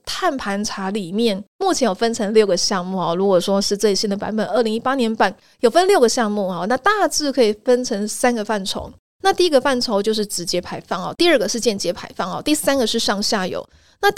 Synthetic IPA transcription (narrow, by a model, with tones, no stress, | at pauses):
t̪ʰa˥˩npʰa˧˥nʈ͡ʂʰa˧˥li˨˩mjɛ˥˩nmu˥˩t͡ɕʰjɛ˧˥njo˨˩ʊfə˥nʈ͡ʂʰɤ˧˥ŋljo˥˩ʊɡə˩ɕjɑ˥˧ŋmu˥˩xɔ˨˩ɻu˧˥kwɔ˨˩ʂwɔ˥ʂɻ̩˥˧t͡se˥˩ɪɕi˥nd̪ə˨pa̰˧˥nbə˨˩nə˞˥˩li˧˥ŋi˥pa˥njɛ˧˥npa˥˩n | jo˨˩ʊfə˦˥nljo˥˩ʊɡə˩ɕjɑ˥˧ŋmu˥˩xɔ˨˩na˥˧t̪a˥˧t͡sɹ̩˥˩kʰɤ˧˥i˨˩fə˥nʈ͡ʂʰɤ˧˥ŋsa˥nɡə˨fa˥˩nʈ͡ʂʰo̰˧˥ʊ | na˥˧t̪i˥˩i˧˥ɡə˧fa˥˩nʈ͡ʂʰo˧˥ʊt͡ɕjo˥˧ʊʂɻ̩˥˩ʈ͡ʂɻ̩˨˩t͡ɕjɛ˧˥pʰa˧˥ɪfɑ˥˩ŋɔ̰˨˩t̪i˥˧ə˥˩ɡə˩ʂɻ̩˥˧t͡ɕjɛ˥˩nt͡ɕjɛ˧˥pʰa˧˥ɪfɑ˥˩ŋxɑ̰˨˩t̪i˥˩sa˥nɡə˨ʂɻ̩˥˧ʂɑ˥˧ŋɕja˥˩jo̰˨˩ʊ | na˥˧